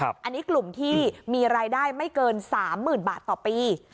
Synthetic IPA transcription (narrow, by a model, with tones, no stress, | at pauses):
ʔa˧nːi˦˥klu˨˩mt̪ʰiː˥˩miː˧ɾaː˧jdaː˥˩jma˥˩jkɤː˧nsaː˩˦mːɯː˨˩nbaː˨˩t̪ːɔː˨˩piː˧